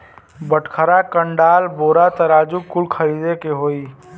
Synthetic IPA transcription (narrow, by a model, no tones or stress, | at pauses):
bəʈkʰəɾakəɳɖaːlboːɾat̪ɐɾaːd͡ʒukʊlkʰɐɾiːd̪ekeɦoːiː